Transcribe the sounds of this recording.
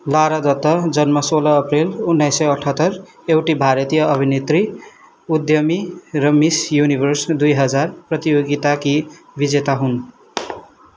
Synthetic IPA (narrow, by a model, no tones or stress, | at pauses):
laɾʌd̪ʌt̪ːʌd͡zʌnmʌsolʌːprelunːʌjsːʌjʌʈʰʌt̪ːʌr | ewʈibʱaɾʌt̪ijʌʌbʱinet̪ri | ud̪jʌmirʌmisjunibʱʌrsd̪ujɦʌd͡zarprʌt̪ijoɡit̪aki | bid͡zet̪aɦun